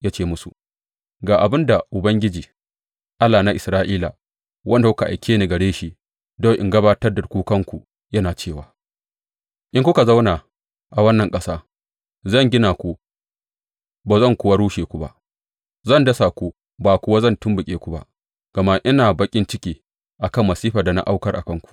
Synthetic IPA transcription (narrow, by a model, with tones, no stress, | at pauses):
ja˦t͡ʃeː˦˨mʊ˦sṵ˨ | ɡaː˨ʔa˨bɪ˦nda˨ʔʊ˨bɐ˦ŋɡʲɪ˦d͡ʒiː˨ | ʔa˦lːaː˨na˦ʔɪ˨sɾaː˦ʔiː˦la̰˨ | wʔɐ˦nda˨kʷʊ˦ka˨ʔa̰˨jkʲeː˦ni˨ɡɐ˨ɽeː˦ʃi˦ | do˦˨ʔɪ̰˨ŋɡɐ˦baː˦tɐ˦rdɐ˨rkʷuː˦kɐ˦ŋkʷu˨ | jɐ˦naː˨t͡ʃeː˦˨waː˨ | ʔɪ˦ŋkʷʊ˦ka˨za˦wnaː˨ | ʔa˨wɐ˦nːɐ˨ŋkʼɐ˦saː˦ | zɐ˦˨ŋɡʲɪ˦naː˨kʷu˦ | baː˨zɐ˦˨ŋkʷʊ˦wa˦ɾuː˦ʃeː˨kʷu˨ba̰˦ʔ | zɐ˦˨ndɐ˦sa˨kʷu˦ | baː˨kʷʊ˦wa˦zɐ˦˨ntʊ˦mbʊ˨kʲʼeː˦kʷu˦ba̰˦ | ɡ̥ɐ˨ma˦ʔɪ˦naː˨bɐ˦kʲʼɪ˦nt͡ʃɪ˦kʲiː˨ | ʔa˨kɐ˦˨mːɐ˨siː˦ɸa˨da˨na̰˦ʔa˦wkɐ˦rʔa̰˨kɐ˦ŋkʷu̥˨